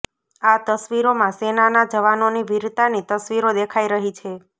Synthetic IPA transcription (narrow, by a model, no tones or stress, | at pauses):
at̪əsʋiɾomãsenanad͡ʒəʋanoniʋiɾt̪anit̪əsʋiɾod̪ekʰaiɾəɦit͡ʃʰe